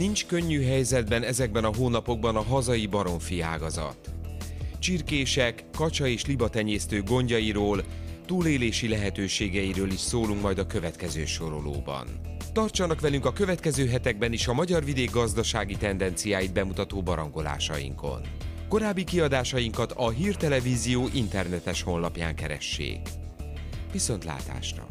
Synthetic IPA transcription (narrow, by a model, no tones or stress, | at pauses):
nint͡ʃkø̞ɲːyɦɛjzɛd̪bɛnɛzɛɡ̚bɛnɒɦoːnɒpo̞ɡ̚bɒnɒɦɒzɒjibɒɾo̞ɱfia̰ːɡɒzɒ̰t̪ | t͡ʃirkeːʃɛkːɒt͡ʃɒeːʃlibɒt̪ɛɲeːst̪øːɡo̞ɲɟɒjiɾoːlt̪uːleːleːʃilɛɦɛt̪øːʃeːɡɛjiɾøːliʃsoːluŋkmɒjd̪ɒkø̞vɛt̪kɛzø̰ːʃo̞ɾo̞̰lo̰ːbɒ̰n | t̪ɒrt͡ʃɒnɒkʋɛlyŋkɒkø̞vɛt̪kɛzøːɦɛt̪ɛɡ̚bɛniʃɒmɒɟɒrvid̪eːɡːɒzd̪ɒʃaːɡit̪ɛnd̪ɛnt̪sijaːjid̪̚bɛmut̪ɒt̪oːbɒɾɒŋɡo̞la̰ːʃɒ̰jḭŋko̞̰n | ko̞ɾaːbːikiɒd̪aːʃɒjiŋkɒt̪ɒɦiːrt̪ɛlɛviːzijoːʔint̪ɛrnɛt̪ɛʃho̞nlɒpja̰ːŋkɛɾɛ̰ʃːḛːk | ʋiso̞nt̪la̰ːt̪a̰ːʃrɒ̰